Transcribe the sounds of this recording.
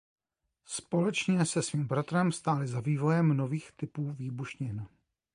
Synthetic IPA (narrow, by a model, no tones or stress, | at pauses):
spo̞lɛt͡ʃɲɛsɛsviːmbɾat̪ɾɛmfst̪aːlɪzaviːvo̞jɛmno̞viːxt̪ɪpuːviːbuʃɲɪn